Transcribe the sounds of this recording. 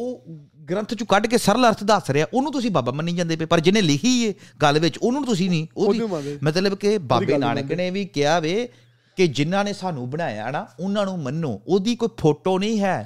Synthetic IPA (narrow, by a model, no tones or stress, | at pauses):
oː | ɡɾə̃nt̪ʰt͡ʃũːkəɖkeːsəɾləɾt̪ʰd̪əsɾeaːʔoːnũːt̪̬ʊsĩːbaːbaːmənːiːd͡ʒãːnd̪eːpeːpəɾd͡ʒɪnẽːlɪkʰiːeːɡəlʋɪt͡ʃʊnũːt̪ʊs̬ĩːnĩːoːimət̪ləbkebaːbeːna̰ːɳkneːʋiːkɪaːʋeː | kɪd͡ʒɪnːãːneːsaːnũːbəɽaːja̰ːnaːʊnãːnũːmənːo̰ːoːd̪iːkoːiːpʰoːʈoːnĩːɦɛː